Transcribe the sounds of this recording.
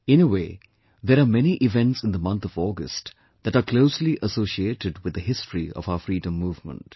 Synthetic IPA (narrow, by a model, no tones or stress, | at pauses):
ɪ̃nəweː | ðɛɾamɛniʔɪvɛ̃nʈsɪ̃nd̪əmʌ̃nt̪ʰɔvɔːɡə̰sʈ | d̪̥æʈakloʊsliʔəsoːʃieːʈɪɖwɪd̪əɦɪstɹiɔ̰vaʊəfɾiːdə̃mːuːvmə̰̃nʈ